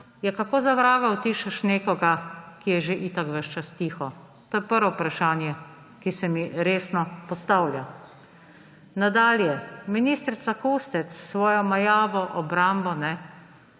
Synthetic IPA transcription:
jɛkakoːzaʋɾaːɡawt̪iːʃɛʃneːkɔɡakijɛʒeʔit̪akʋəʃt͡ʃast̪iːxɔ | t̪oːjɛpəɾʋɔpɾaʃaːnjɛ | kisɛmiɾeːsnɔpɔst̪awlja̰ | nad̪aːljɛminiːst̪ɾit̪sakust̪ɛt̪ssʋɔːjɔmajaːʋɔʔɔbɾambɔnɛ

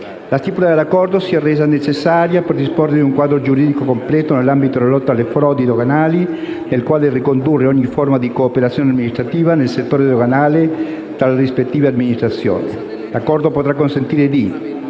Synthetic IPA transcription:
last̪ipulad̪elːakːɔrd̪osiɛreːzanet͡ʃesːaɾjaperd̪isporːeuŋkwaːd̪ɾod͡ʒuɾiːd̪ikokomplɛːt̪onelːambit̪od̪elalɔt̪ːaːlːefɾɔd̪id̪oɣanali | nelkwaːlerikond̪urːeɔɲːiformad̪ikoːpeɾat̪sjoːnead̪minist̪ɾat̪iːvanelset̪ːoːɾed̪oɣanaːle | t̪ɾalrispet̪ːiːvead̪minist̪ɾat̪sjo̰ːni | lakːɔrd̪opot̪ɾakːonsent̪iːɾed̪i

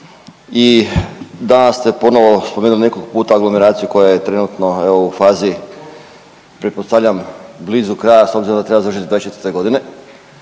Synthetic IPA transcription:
i | d̪anast̪e̞po̞noʋo̞spomeːnuline̞koɡpuːt̪aaɡlo̞meɾaːt̪sijuko̞jajet̪ɾe̞nut̪no̞e̞ʋoufaːzi | pɾetpost̪aʋʎambliːzukɾaːjasobziɾod̪at̪ɾe̞bazarʂʃit̪id̪vadet͡ʃet̪ɾt̪e̞ɡo̞d̪ine̞

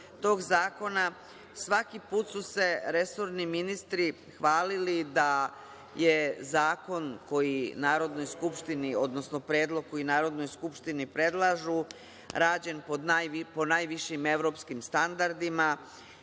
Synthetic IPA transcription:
t̪o̞ːɡzaːko̞na | sʋakipuːt̪suse̞ɾe̞so̞ɾniminist̪ɾi | xʋaːlilid̪a | je̞zaːko̞nko̞jinaːɾo̞d̪no̞jskupʃt̪inio̞d̪nosno̞pɾe̞ːd̪lˠo̞ɡ̚ko̞jinaːɾo̞d̪no̞jskupʃt̪inipɾe̞d̪lˠaʒu | ɾaːd͡ʑe̞npod̪apo̞najʋiʃime̞ʋɾo̞ːpskimst̪and̪aɾd̪ima

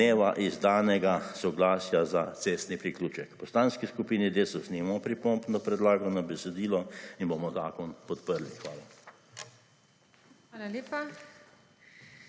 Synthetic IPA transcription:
eːʋaʔizd̪aːnɛɡasɔɡlaːsjazat̪seːst̪nipɾiklʲuːt͡ʃɛkpɔst̪aːnskiskupiːnid̪eːsɔsnimɔpɾipɔmpnɔpɾɛd̪laːɡɔnabɛsɛd̪iːlɔinbomɔzaːkɔnpɔt̪pəɾlixʋaːla | ʋaːlaleːpa

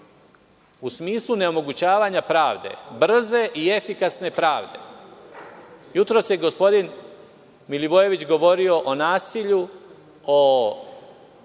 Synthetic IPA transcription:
usmiːslˠuneo̞mo̞ɡut͡ɕaːʋaːɲapɾaːʋd̪e̞̰br̩ze̞ʔie̞fikasne̞pɾaːʋd̪e̞̰ | jut̪ɾo̞sjeɡo̞spo̞d̪in | miliʋoje̞ʋit͡ɕɡo̞ʋo̞ɾio̞ʔonaːsiʎu | o

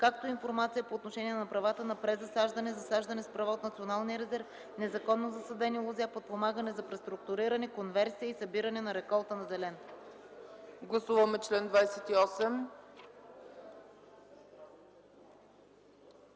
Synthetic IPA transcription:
kak̚t̪oinfoɾmat̪sijəpoːt̪noʃɛniɛnɐpɾɐvat̪ənɐpɾɛzɐsaʒd̪ɐnɛzɐsaʒd̪ɐnɛspɾɐvaot̪nɐt̪sionalˠnijəɾɛzɛɾf | nɛzɐkɔnːozɐsəd̪ɛnilˠoziapot̪̚pomaɡənɛzɐpɾɛst̪ɾʊk̚t̪ʊɾiɾɐnɛkonvɛɾsiəisɐbiɾɐnɛnɐɾɛkɔlˠt̪ənɐzɛlɛn | ɡlˠɐsuvɐmɛt͡ʃlɛnd̪vajsɛt̪iɔsɛm

